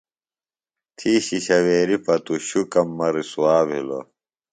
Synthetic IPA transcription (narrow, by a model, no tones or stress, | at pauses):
t̪ʰiːɕiɕɐweːɾipɐt̪uɕukɐmːɐɾisuwaːbʱilo̰